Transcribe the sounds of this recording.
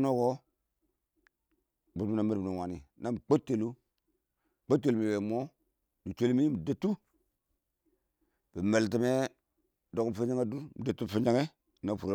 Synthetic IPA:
no˦ko˦ | bu˨tna˨me˦ɾbna˨wa˨nḭ˨na˦m˨k͡po˦tːe˨lu˦˨ | k͡po˦tːe˨lmi˨we˨mo˦ | du˨t͡ʃe˦lmi˦mi˨da˦tːu˦ | b̥i˨me˨lt̬i˨me˦ | do˨km˨fe˦d͡ʒa˦ŋe˦du˦mi˨da˨tːu˦˨fe˦d͡ʒa˦ŋe˦˨ | na˦˨fu˨ɾa˦

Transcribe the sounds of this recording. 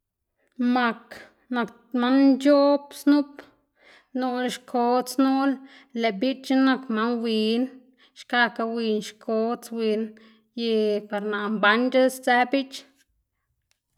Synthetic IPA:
ma˧k | na˨k | ma˦nd͡ʒo˦bsnu˦p | no˧lʃkʰo˧t͡snu˦l | le˨bi˦t͡ʃt͡ʃi˦na˧kma˦nwi˨n | ʃka˧ka˧wi˧nʃkʰo˧˦t͡swi˧n | je˧pa˨ɾna˨ʔmba˧˦nɾa˦st͡sɛ˦bi˦t͡ʃ

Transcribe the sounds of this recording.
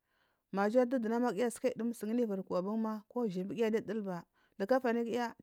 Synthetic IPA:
ma˨d͡ʒa˦du˦du˨na˦ma˦ki˦ja˦ska˦˨du˦m˦sə˨ŋ˦ni˦va˨ɾka˨bu˦ŋma˦ko˦ʒi˨bi˦ɡi˦a˦di˦˨də˦lba˨ | də˨ka˦fa˨ni˦ki˦ja˦

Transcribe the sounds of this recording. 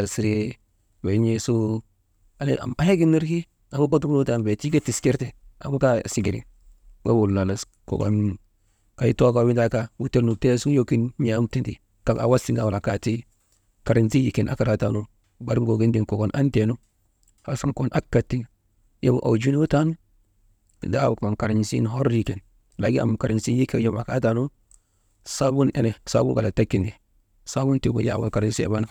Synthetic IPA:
a˨ɾsi˨ɾi˦ | we˨˦ɲe˦su˦ | a˦le˦a̰˨ma˦he˦ɡi˦nːi˦ɾki˦ | a˨bu˦ba˦tu˦bu˦ta˨n˨be˨ti˦ɡe˦ti˨ske˦ɾte˨a̰˨bu˦ka˦˨si˨ɡḭ˨ɾḭ˨ | wa̰˦wu˨lna˨la˨s | ko̰˨ɡo̰˨n | ka˨ji˦to˦ka˨wi˦nda˨ka˦wu˦te˦nu˨te˦su˦jo˦ki˦nm˦a˨˦mti˦ndi˨ | ka˨a̰˨wa˦si˦ŋɡa˨wu˨la˨ka˨ti˦ | ka˨ɾi˨nzi˦ji˨ki˨nʔa̰˦ka˨ɾa˨ta˦lu˦ | ba˦ɾɡo˨ɡi˦ndi˨ŋko˨ko˨nʔa˦nte˨nu˦ | ha˨su˦ŋko˦nʔa˦kːa˨tːi˦ŋ | je˦bṵ˨ʔa̰˨wd͡ʒu˦n˦wu˦ta˦nṵ˦˨ | da˦u˨ko˨nka˨ɾi˨ɲ˨sḭ˦n˨ɦo˦ɾi˨ke˨n | la˨ɡi˦a̰˨m˨ka˨ɾi˨nsi˦ji˦ke˨˦jo˦ma˨ka˦ta˨lu˦ | sa˦bu˦nʔḛ˦ne˨sa̰˦bu˦ka˨la˨ta˦kːi˨ndi˨ | sa˦bu˦nti˨ɡo̰˦ja̰˨wṵ˨ka˨ɾi˦nsḛ˨ba˦na˦

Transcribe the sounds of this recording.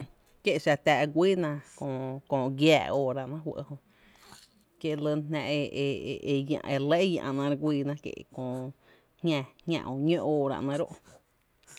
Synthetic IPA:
kje˦ʔʃa˧t̪æː˧˨ɡʷiː˦nã˧kõ˧˨kõː˧˨ɡjaː˧˨oː˧ɾa̰˧ʔnã˦ɦwə̰˧ʔho˧ʔ | kje˦˧lə˧nɦnã˧ʔe˧˨e˧je˧le˦jã̰˧ʔnã˧ɾɡʷiː˧nã˧kjḛ˧˨kõː˧˨ | hɲɛ̃˧hʲã̰˧˨ʔo˧˨ɲõ˦ʔoː˧˨ɾa̰˧ʔnã˧ɾo̰˦ʔ

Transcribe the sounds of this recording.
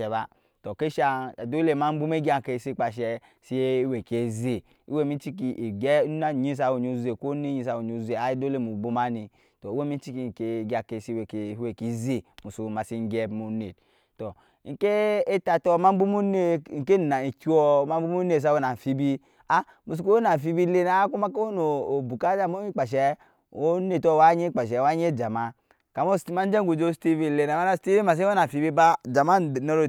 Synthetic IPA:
ɛ˨ba˦ | tɔ˨ke˦ʃa˦˧˨do˦le˦˨ma˦m̩˦bu˦me˦ɡʲi˦a˦˨ke˨si˦k͡pa˨ʃ̬ɛ˧ | si˦e˦we˨ke˨ze˨ | ḭ˦we˦˨mi˦t͡ʃi˦ki˨ʔɡɛ˦na˦˨ɲi˦s̬a˨wo˨ɲ˨o˨ze˨ko˦ne˦ɲi˧˦sa˨wo˨ɲ˨o˨ze˨a˦i˦do˦le˦˨mu˨bu˦ma˦ni˨ | tɔ˨i˦we˦mi˦t͡ʃi˦ki˨ŋ˨ke˨ɡa˨ke˨si˦we˨ke˨˦e˨ki˨˦ze˦˨mu˨so˨ma˨si˦ŋ˦ɡɛ˦mu˨˦ne˨t | tɔ˨ | ŋ̩˨ke˦e˦ta˨tɔ˦ma˦m˦bu˦mu˦ne˦˨ŋ̩˨ke˦˨na˨i˨ki˦ɔ˦ma˦m˦bu˦mu˦ne˦˨s̬a˦wo˦na˨fi˦bi˦ | a˦ | mu˨s̬u˨ko˦wo˦na˨fi˦bi˦le˦na˨˦ku˦ma˦ko˦no˨o˨bu˨ka˦d͡ʒa˦˨mo˦i˦k͡pa˨ʃ̬ɛ˨˦ | o˦ne˦˨tɔ˦˨wa˦ɲe˦k͡pa˨ʃ̬ɛ˨wa˦ɲ˦e˦˨d͡ʒa˨ma˦ | ka˨mo˦sma˦d͡ʒɛ˦ŋ˦ɡu˨d͡ʒo˦sti˦vi˦˨le˨na˨ma˦na˦sti˦vi˦ma˨s̬i˦o˦na˨fi˨˦bi˦ba˦d͡ʒa˨ma˦˨no˦ɾo˨

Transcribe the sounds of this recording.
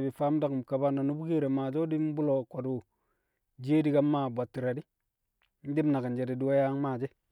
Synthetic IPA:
bi˨fa˦m˦da˦km˨ka˨ba˦na˨nu˦bu˦ke˦ɾe˨ma˨d͡ʒo˦di˦m˦bu˦lo˨ko˨du˨ | d͡ʒeː˦di˦ɡa˦mːa˦˨bʷa˨tːi˨ɾa˨di˦ | n̩˦di˦bna˨ɡa˨nd͡ʒe˨di˨du˦wa˦ja˦ŋ˦maː˨d͡ʒe˦

